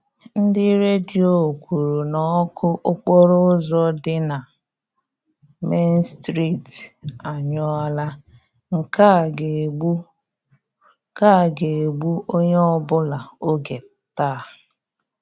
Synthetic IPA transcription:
n̩˦dɪ˦ɾe˦di˨˦o˨kʷu˨ɾu˨nɔ˨˦kʰʊ˦ʔʊ˦k͡pɔ˦ɾʊ˦ʊ˦zɔ˦dɪ˦na˨ | me˦n˦stɾi˦˨ta˨ɲɔ˦a˦la˦ | ŋ̩˨ka˦˨ɡe˨ɡ͡bu˦ | ka˦˨ɡe˨e˨ɡ͡bu˦ʔo˦ɲe˦ɔ˦bʊ˦la˨o˦ɡe˨ | taː˦˨

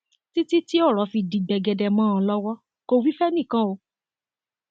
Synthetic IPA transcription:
ti˦ti˦ti˦ɔ˦˨ɾɔ˨˦fi˧dĩ˧ɡ͡bɛ˧ɡɛ˧dɛ˧mãː˦ã˧lɔ˦wɔ˦ | ko˧wi˦fɛ˦nĩ˦˨kã˦o˧

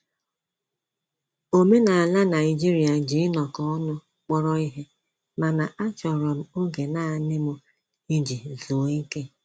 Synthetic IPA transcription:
o˨me˦na˨a˨la˦na˨ɪ˨d͡ʒi˦ɾi˨a˨d͡ʒi˨˦ɪ˦nɔ˨kɔ˦ɔ˦nʊ˦ | k͡pɔ˦ɾɔ˦i˦ɦe˦ | ma˨na˨ʔa˦t͡ʃɔ˨ɾɔ˨m̩˦o˦ɡe˨na˨nɪ˦mʊ˦ | i˦d͡ʒi˨zu˨˦i˦ke˦

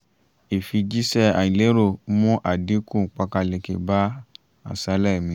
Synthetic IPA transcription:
e˨fi˧d͡ʒi˦sɛ˧a˨ĩ˨le˨˦ɾo˦˨˦mũ˦ʔa˨di˨˦kũ˦˨k͡pa˧ka˧le˨ke˨ba˦ | a̰˨sa˨˦lɛ˦˨mĩ˧˦

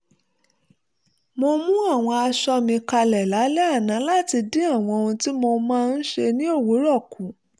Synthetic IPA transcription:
mo˧mũ˦a˦˨w̃ɔ̃˧a˧ʃɔ˧mĩ˧ka˧lɛ˨la˨˦lɛ˦a˦˨nã˨˦la˦ti˧dĩ˦a˦˨w̃ɔ̃˧o˧ũ˧ti˦mo˧mãː˦˧n̩˦ʃe˧nĩ˦o˦˨wo˨˦ɾɔ˦˨kũ˨˦

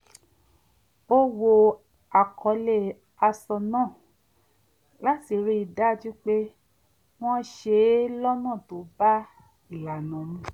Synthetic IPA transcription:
o˦wo˧ | a˨kʰɔ˨˧˦le˦˨ | a˧sɔ˧nãː˦˨ | la˦ti˧˨ɾi˦i˧˨da˦˨d͡ʒu˦k͡pe˦ | w̃ɔ̃˦ʃe˧˦lɔ˦nã˦˨to˨˦ba˦ | i˦˨la˨nã˨˦nĩ˨˦

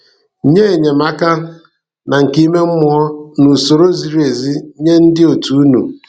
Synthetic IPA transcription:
ɲe˦e˨ɲe˨ma˦ka˦ | na˨ŋ̩˨ki˦me˦m̩˦mʊ˨ɔ˦nu˨so˨ɾo˦zi˨ɾi˦e˨zi˦ɲe˦n̩˦dɪ˦o˨tu˨u˦nṵ˨

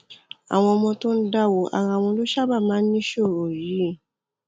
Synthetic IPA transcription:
a̰˨w̃ɔ̃˧ɔ˧mɔ̃˧to˦n̩˦da˦˨wo˧ʔa̰˨ɾã˧˨wɔ̃˧˦lo˦ʃa˦ba˦˨mãː˨˦n̩˦nĩ˦ʃo˦˨ɾo˨ji˨˦˨

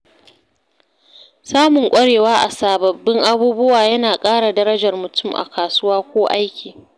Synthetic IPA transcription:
saː˦mʊ˨ŋkʷʼɐ˦ɽeː˨waː˦ʔa̰˨saː˨bɐ˨bːɪ˦ŋʔa˦buː˦bʊ˦waː˨jɐ˦naː˨kʼaː˦ɽa˨dɐ˦ɾɐ˦d͡ʒɐ˨rmʊ˨tʊ˦˨mʔa̰˨kaː˨sʊ˦waː˦kʷoː˦ʔa˦jkʲiː˨

